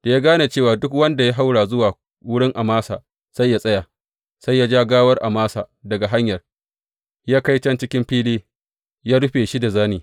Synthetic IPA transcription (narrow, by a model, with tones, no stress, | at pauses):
d̥a˨jaː˦ɡaː˦na˨t͡ʃeː˦˨waː˨dʊ˦kwɐ˦nda˨ja˦ɦa˦wɽaː˨zʊ˦waː˨ | wʊ˦ɽɪ˦ŋʔa˨maː˦sa̰ː˨ | sa˦jːa˦sʼɐ˦jaː˨ | sa˦jːa˦d͡ʒaː˦ɡaː˦wɐ˦rʔa˨maː˦sa̰ː˨dɐ˨ɡa˨ɦa˦ɲjɐ˨r | jaː˦ka˦jt͡ʃɐ˦nt͡ʃɪ˦kʲɪ˦mɸiː˦liː˦ | jaː˦ɽʊ˦ɸeː˨ʃi˦da˨zaː˦niː˨